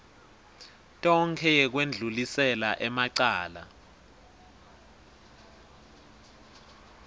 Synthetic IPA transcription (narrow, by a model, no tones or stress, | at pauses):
tʼɔŋkʰɛjɛk̬wend͡ɮʱulisɛlaʔɛmaǀaːla̰